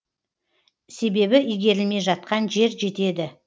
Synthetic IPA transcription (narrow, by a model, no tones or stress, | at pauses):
se̞be̞bɪʔijɡʲe̞ɾɪlme̞jʒɑt̪̚qɑnʒe̞ɾʒe̞t̪e̞d̪ɪ